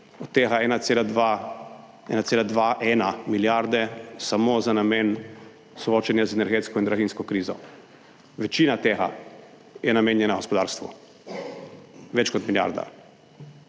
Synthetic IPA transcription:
ɔt̪ːeːɣaɛːnaselad̪ʋa | ɛ̰nat̪seːlad̪ʋaʔɛnamiljaɾd̪ɛsamoːzanameːn | sɔoːt͡ʃɛnjazɛnɛɾɡeːt̪skɔind̪ɾaɣinskɔkɾiːzɔ̰ | ʋɛt͡ʃiːnat̪eːɣa̰ | jɛnameːnjɛnaɡospɔd̪aːɾst̪ʋṵ | ʋɛt͡ʃkɔt̪milja̰ɾd̪a̰

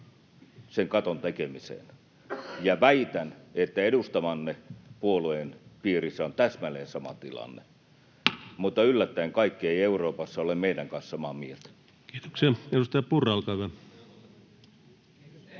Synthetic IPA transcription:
seŋkɑt̪ont̪ekemisḛn | jɑʋæit̪ænet̪ːæedust̪ɑmɑnːepuoluenpiːrisːæont̪æsmæleːnsɑmɑ̰t̪ilɑ̰nːḛ | mut̪ːɑylːæt̪ːæeŋkɑikːieieuroːpɑsːɑolemeidæŋkɑnssɑmɑmielt̪ | kiːt̪o̥ksiɑedust̪ɑjɑpurɑlkɑʋæ

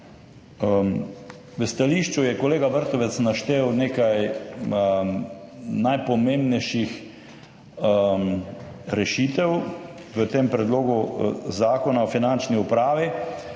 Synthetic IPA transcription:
ʋəst̪aliʃt͡ʃujɛkɔleːɡabəɾt̪ɔʋɛt̪snaʃt̪eːwneːkaj | najpɔmeːmbnɛjʃix | mɾɛʃit̪ɛw | ʋət̪eːmpɾɛd̪loːɡuzaːkɔnaɔfinant͡ʃniupɾaːʋi

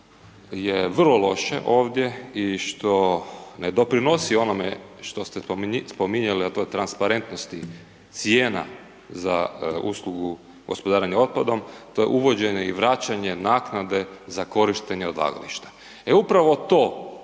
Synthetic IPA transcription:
jeʋr̩lˠolo̞ʃḛʔoːʋd̪je̞iʃt̪o̞ned̪o̞pɾino̞sio̞nomḛʃt̪ost̪espo̞miɲaliat̪ojet̪ɾanspaɾe̞nt̪nost̪i | t̪sjeːna̰ | za̰uslˠuɡu | ɡo̞̰spod̪aːɾaɲao̞t̪̚pad̪o̞mt̪ojḛʔuʋo̞d͡ʑe̞ɲeiʋɾat͡ɕaɲe̞naːknad̪e̞zako̞ɾiʃt̪eɲeod̪la̰ːɡa̰lḭʃt̪ḁ | eupɾaʋo̞t̪oː

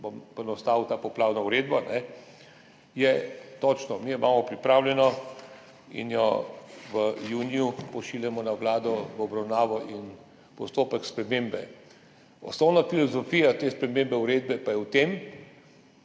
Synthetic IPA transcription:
bompɛnɔst̪aːwt̪aːpɔplaːwnauɾed̪banɛ | jɛt̪ɔt͡ʃnɔmiimaːmɔpɾipɾaːwlʲjɛnɔ | ḭnjɔʋəjuːnijupɔʃiːljamɔnawlaːd̪ɔʋɔbɾawnaːʋɔʔin | pɔst̪oːpəkspɾɛmembɛ̰ | ɔ̰snɔwnafilɔzɔfiːjat̪eːspɾɛmeːmbɛuɾeːd̪̚bɛpajɛwt̪eːm

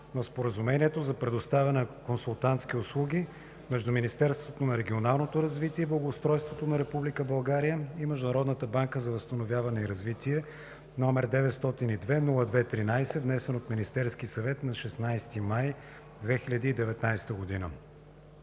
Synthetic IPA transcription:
nospoɾəzumɛniɛt̪ozɐpɾɛd̪ʊst̪avɛnɛkonsulˠt̪ant̪skʲiʊslˠuɡʲi | mɛʒd̪ʊminist̪ɛɾst̪vot̪onɐɾɛɡʲionalˠnot̪oɾɐzvit̪iɛblˠɐɡoːst̪ɾɔjst̪vot̪onɐɾɛpublikəbɐlˠɡaɾijəimɛʒd̪ʊnɐɾɔd̪nət̪əbaŋkəzɐvəst̪ɐnovʲjavɐnɛiɾɐzvit̪iɛ | nɔmɛɾd̪ɛvɛt̪st̪ɔt̪inid̪vɛnulˠəd̪vɛt̪ɾinajsɛvnɛsɛnot̪minist̪ɛɾsk̟isɐvɛt̪nɐʃɛsnajst̪imaj | d̪vɛxiʎʲəd̪iːd̪ɛvɛt̪najsɛ̥t̪əɡod̪inə̰

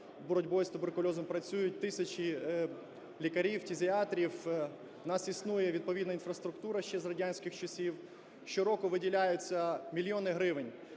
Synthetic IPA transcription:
bɔɾɔdʲbɔjst̪ʊberkʊlʲɔzɔmpɾɐt͡sʲujʊt̚ʲt̪ɪsʲɐt͡ʃi | lʲikɐɾʲiwtʲizʲiɑt̪ɾʲiw | nɑsisnujɛʋʲid̪̚pɔʋʲid̪nɐinfɾɐst̪ɾʊkt̪uɾɐʃt͡ʃːɛzrɐdʲanʲsʲkɪxt͡ʃɐsʲiw | ʃɪɾɔkɔʋɪdʲilʲajʊt͡sʲːɐmʲilʲjɔnɪɦɾɪʋɪnʲ

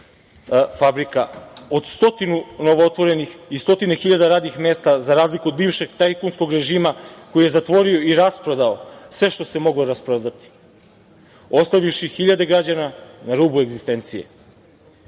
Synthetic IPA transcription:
fabɾikao̞d̪st̪o̞t̪inuno̞ʋoot̪ʋo̞ɾe̞nixist̪o̞t̪ine̞xiʎad̪aɾaːd̪nixme̞ːst̪azaɾaːzlikuod̪biːʋʃe̞ɡt̪ajkunsko̞ɡɾe̞ʒiːmako̞jije̞zat̪ʋo̞ɾio̞iɾaspɾod̪aosʋe̞ʃt̪o̞se̞mo̞ɡlo̞ɾaspɾad̪at̪i̥ | o̞st̪aʋifʃixiʎad̪e̞ɡɾad͡ʑananaɾuːbue̞ɡzist̪e̞nt̪sije̞̰

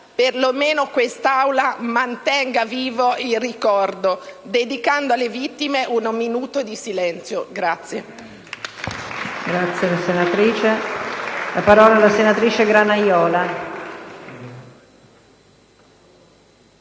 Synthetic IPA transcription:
perlomeːnokwest̪awlamant̪ɛŋɡaviːvoilrikɔrd̪od̪ed̪ikand̪oalːevit̪ːimeʔunminuːt̪od̪isilɛnt̪sjoɡɾat̪sːje | ɡɾat̪sːjelasenat̪ɾiːt͡ʃe | lapaɾɔːlaːlasenat̪ɾiːt͡ʃeɡɾanajɔːla

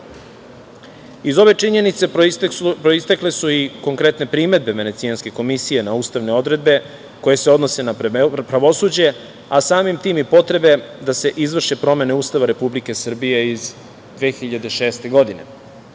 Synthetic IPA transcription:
izo̞ʋe̞t͡ʃiɲe̞nit̪se̞pɾoist̪aklesuiko̞ŋkɾe̞t̪ne̞pɾime̞d̪̚be̞ʋe̞ne̞t̪sijanske̞ko̞misije̞nauːst̪aʋne̞o̞d̪ɾe̞d̪̚be̞ | ko̞je̞seo̞d̪no̞se̞napɾaʋo̞suːd͡ʑe̞ | asaːmimt̪iːmipo̞t̪ɾe̞be̞d̪ase̞ʔizʋr̩ʃepɾo̞me̞ne̞uːst̪aʋaɾe̞publike̞sr̩bije̞iz | d̪ʋeːxiʎad̪e̞ʃe̞ːst̪e̞ɡo̞d̪ine̞̰

